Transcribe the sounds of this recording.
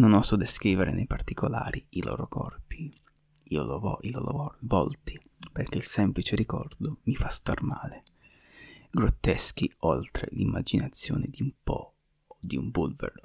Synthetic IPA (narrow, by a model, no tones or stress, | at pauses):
nonɔsɔd̪eskɾiːveɾenejpart̪ikʰolaːɾiilɔ̰ːɾokɔ̰rpi | iolvɔilɔɾovɔlt̪i | perkeilsɛmplit͡ʃeɾikɔrd̪omifast̪armaːle | ɡɾot̪ːɛsk̟iolt̪ɾḛlimːad͡ʒinat̪sːjoːned̪iumpɔ | od̪iumbulvḛɾo